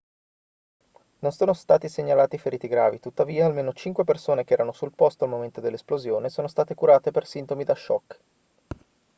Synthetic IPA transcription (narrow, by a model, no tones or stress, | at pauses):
nonsoːnost̪aːt̪iseɲːalaːt̪ifeɾiːt̪iɡɾa̰ːvit̪ut̪ːaviːaːlmeːnot͡ʃiŋkwepersoːnek̟eɛːɾanosulpɔst̪oalmoment̪od̪elːesplozjoːnesoːnost̪aːt̪ekuɾaːt̪epersint̪omid̪aʃːɔ̰kː